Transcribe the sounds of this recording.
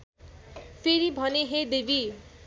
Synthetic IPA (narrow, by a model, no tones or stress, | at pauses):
pʰeɾibʱʌneɦed̪ebʱi